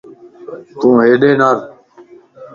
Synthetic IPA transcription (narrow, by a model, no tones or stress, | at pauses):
k̪ũːɦeːɗeːnaːɾ